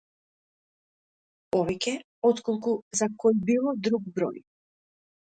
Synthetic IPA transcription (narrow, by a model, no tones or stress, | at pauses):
ɔvɛcʲɛ | ɔt̪kɔlˠkuzakɔjbilˠɔd̪ɾuɡ̚bɾɔ̰j